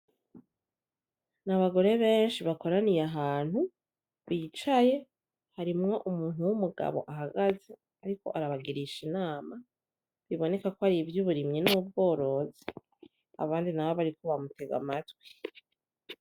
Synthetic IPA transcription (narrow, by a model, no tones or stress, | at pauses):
naβaɡo̞ɾe̞βe̞ːnʃiβako̞ɾanijeaɦaːn̥hu | βiːt͡ʃaje̞ | haɾimŋo̞ʔumuːn̥uwumuɡa̰βoʔaɦaɡaze̞ | aɾiko̞̰ʔaɾaβaɡiɾiʃinaːma | βiβo̞ne̞kakoaɾivjuβuɾimɲinuub̚ɡo̞ːɾo̞zi | a̰βaːndinaβoβaɾiko̞βamute̞ɡa̰matɡwi̥